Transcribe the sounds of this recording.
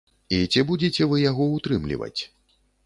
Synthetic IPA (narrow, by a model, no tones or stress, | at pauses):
it͡sʲibud͡zʲet͡sʲɛvɨjaɣɔut̪ɾɨmlʲḭvɐ̰t͡sʲ